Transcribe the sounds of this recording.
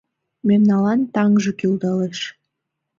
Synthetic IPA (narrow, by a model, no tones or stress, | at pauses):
memnɑlɑnt̪ɑŋʒɤkild̪ɑleʃ